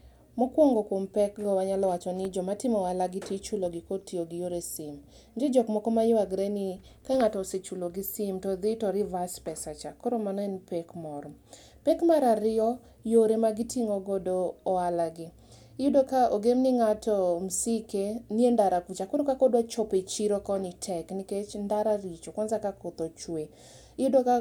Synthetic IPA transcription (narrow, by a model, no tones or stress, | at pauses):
mɔkwoŋɡɔkompɛkɡɔwaɲalɔwat͡ʃɔnɪd͡ʒɔmatɪmɔwalaɡɪtit͡ʃuloɡɪkotioɡɪjoɾesim | ɲd͡ʒed͡ʒɔkmɔkɔmajʊaɡɾenɪ | kaŋatɔset͡ʃuloɡɪsimtɔd̪ɪtɔɾɪvaspɛsat͡ʃakɔɾomanɔɛnpekmɔɾɔ | pekmaɾaɾɪɔ | joɾemaɡitiŋoɡodoːalaɡɪ | ɪjʊdokaʔoɡemnɪŋatɔmsikeniendaɾakut͡ʃakoɾokakodwat͡ʃɔpet͡ʃiɾokɔnitʰɛkniket͡ʃndaɾaɾit͡ʃokɔnzakakot̪ot͡ʃwe | ɪjʊdoka